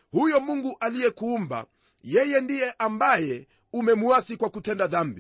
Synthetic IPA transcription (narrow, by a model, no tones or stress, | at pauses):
hujɔmuŋɡuʔalijɛkuːmba̰ | jɛjɛndijɛʔambajɛ | umɛmuasikwakutɛndaðambi